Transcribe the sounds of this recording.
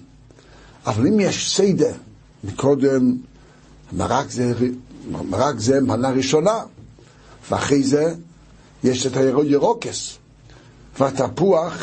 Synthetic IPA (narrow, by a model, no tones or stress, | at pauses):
avalˠimjɛʃseɪdə | mɪkʰɔdɛm | ma̰ʁakzɛ | maʁakzɛmpanaʁiʃɔna | vɪa̰χeɪzɛ | jɛʃɛtajaʁoɪəʁɔkɛs | vɪatapuaχ